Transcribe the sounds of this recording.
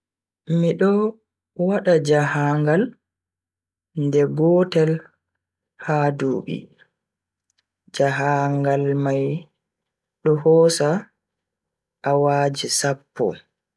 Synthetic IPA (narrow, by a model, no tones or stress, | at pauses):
miɗɔ | waɗad͡ʒaɦaŋɡal | ndɛbɔtɛl | haːduːɓḭ | d͡ʒaɦaŋɡalmaj | ɗɔɦɔːsa | ʔːwaːd͡ʒisapːɔ̰